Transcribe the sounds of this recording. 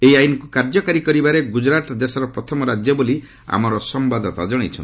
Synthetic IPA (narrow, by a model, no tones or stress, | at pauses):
ejajnɔkukaɾd͡ʒɔkaɾikɔɾibaɾeɡud͡ʒɾat̪d̪esɔɾɔpɾɔt̪ʰɔmɔɾad͡ʒjɔboli | a̰mɔɾɔsɔmbad̪ɔt̪a̰d͡ʒɔɽ̃it͡ʃʰɔn